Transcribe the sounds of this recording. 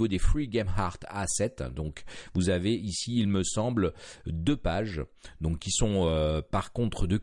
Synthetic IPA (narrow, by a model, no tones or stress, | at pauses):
vod̪efχiɡʲɛmhaʁt̪asɛt̪d̪ɔ̃kvuzaveisiːlməsɑ̃bld̪øpaʒd̪ɔ̃kʲːisɔ̃øpaʁkɔ̃t̪χəd̪ə